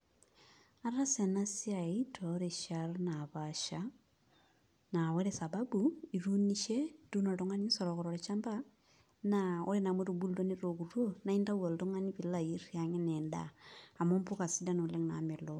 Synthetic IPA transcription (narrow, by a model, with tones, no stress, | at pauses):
a˦ɾa˦se˨na˦sia˨itʰoɾe˨ʃaɾnaβaʃa | na˨we˦ɾe˦sa˨babui˨ɾu˦niʃe˦tu˦nɔ˨to˦ŋa˦ni˦sɔɾɔkɔɾɔɾet͡ʃa˦mba˦ | nao˦ɾe˦na˨mwe˦ɾubu˦lo˦ne˦ɾokuɾwo˦na˨i˦nda˦wo˨lto˦ŋa˦ni˦βi˨laiɾjaŋe˦ne˨nda̰ː˨mo˦mpu˦ka˨sida˦no˨le˦ŋna̰me˨lo